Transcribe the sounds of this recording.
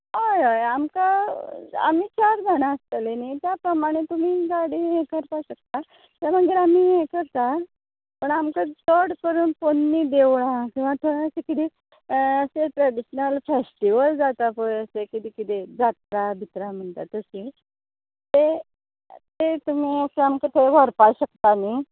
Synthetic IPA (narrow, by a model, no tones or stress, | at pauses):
ɦojojamka | a̰miːt͡ɕaɾd͡zʱañaəst̪əlenit̪japɾəmaɽ̃et̪um̤iːɡaɽijekəɾpaɕək̚t̪a | t̪aɾm̤əɡiɾam̤ijekəɾt̪a | pəɳamkat͡səɽkəɾuːnponːiːd̪eʋɭãkĩw̃ʋat̪ʰoɽaəsekit̪iː | əseʈɾɛɖiɕnəlfesʈiʋəld͡zat̪apojəsekit̪iːkit̪ed͡zat̪̚ɾabʱit̪ɾam̤əɳt̪at̪əsi | t̪e | t̪et̪um̤iːəseamkət̪ʰeʋəɾpaɕəkt̪ani